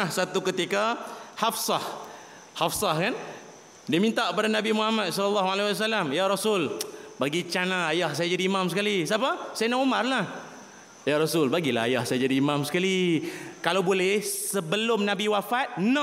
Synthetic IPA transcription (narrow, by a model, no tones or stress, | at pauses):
asat̪ukət̪ikahafsɑh | hafsahkan | dimint̪aʔəpadanabimuɦamat̪̚sɔləlːaɦualews̬alamjaɾɔsʊlbaɡit͡ʃanaːjahsajad͡ʒadiːmamsəkalisapasajanaʔumarlah | jaɾɔsʊlbaɡilaajahsajad͡ʒadiːmamsə̥kalikalawbolɛhsəbəlʊmnabiwafat̪̚na